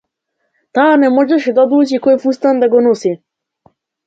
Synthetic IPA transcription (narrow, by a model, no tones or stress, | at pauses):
t̪aːnɛmɔʒɛʃɛd̪aɔd̪lˠut͡ʃikɔjfust̪and̪aɡɔnɔsi